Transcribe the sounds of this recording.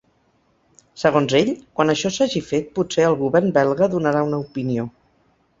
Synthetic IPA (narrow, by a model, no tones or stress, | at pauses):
səɣ̞onzeʎkwanəʃɔsaʒifet̪̚put̪seəlˠɣuβɛrnbɛlˠɣəðunəɾaunəupinio